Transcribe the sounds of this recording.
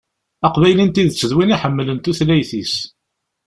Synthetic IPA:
ɑqvæjlint̪iðt͡sːəðwiniħəmːlənt̪uθlæjθis

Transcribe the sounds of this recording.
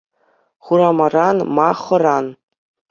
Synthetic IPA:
χuɾamaranmaχəran

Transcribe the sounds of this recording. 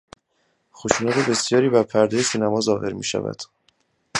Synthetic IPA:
xoʃuːnæt̪ʰebe̞sjɒːɾiːbæɾpʰæɾd̪ɒːjesiːnæmɒːzɒːɦe̞ɾmḭːʃæ̰væ̰d̪̥

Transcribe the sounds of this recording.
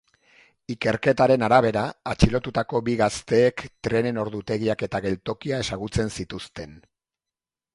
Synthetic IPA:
ike̞ɾke̞t̪aɾe̞naɾaβ̞e̞ɾaːt͡ʃilo̞t̪ut̪ako̞biɣast̪e̞ːkt̪ɾe̞ne̞no̞ɾðut̪e̞ɣ̞iake̞t̪aɣe̞lt̪o̞kiae̞saɣut͡se̞nsit̪ust̪e̞n

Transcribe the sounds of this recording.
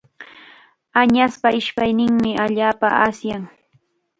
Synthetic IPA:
aɲaspaɪʃpajnɪŋmɪʔaʎaːpaasjaŋ

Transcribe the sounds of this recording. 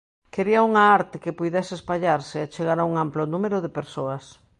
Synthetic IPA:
keɾiɐuŋaaɾt̪ɪkɪpujðɛsɪespaʎaɾsɪat͡ʃeɣaɾauŋamplonumeɾʊðepeɾsoɐs

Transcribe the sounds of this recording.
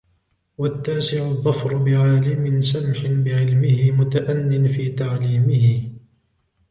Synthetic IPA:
wat̪ːaːsɪʕʊðˤːɑfɾʊbɪʕaːlɪmɪnsamħɪnbɪʕɪlmɪhɪmʊt̪aʔanːɪnfiːt̪aʕliːmɪhɪ

